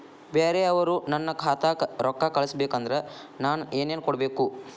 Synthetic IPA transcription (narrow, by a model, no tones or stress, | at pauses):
beːɾeɐʋɐɾunɐnːɐkʰaːt̪aɾɔkːakɐɭɐsɐbeːkɐnd̪ɐɾe | naːnueːneːnkɔɽɐbeːku